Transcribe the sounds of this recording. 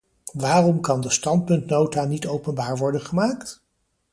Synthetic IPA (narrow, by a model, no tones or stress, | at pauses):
ʋaːrɔmkɑndəstɑnt̚pɵntnowtaːnitowpənbaːɹʋɔɹdənχəmaːkt